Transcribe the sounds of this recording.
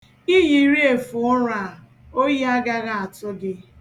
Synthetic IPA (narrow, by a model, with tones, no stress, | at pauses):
i˦ji˨˦ɾi˦e˨fʊ˨ʊ˦ɾa˨ | o˦ji˦a˦ɡa˦ɣa˦˨a˨tʊ˦ɡɪ˦